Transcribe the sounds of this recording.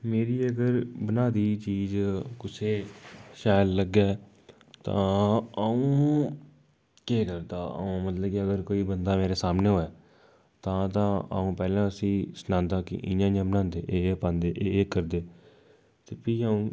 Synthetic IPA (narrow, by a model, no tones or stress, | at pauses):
meːɾiːəɡəɾbənaːd̪iːt͡ʃiːzkʊsʰeːʃaːlləɡɛː | t̪ã̰ːəũː | keːkəɾt̪aːə̰ũːmət̪ləbkɪəɡəɾkoːiːbənd̪aːmeːɾeːsaːmneːɦoːɛː | t̪ãːt̪ãːa̰ũːpɛːlãːəsĩːsnãːnd̪aːkɪ̰ʔɪ̰̃ãːd͡ʒãːbənãːnd̪eːʔːpãːnd̪eːʔeːkəɾd̪eː | t̪eːpiːaːũː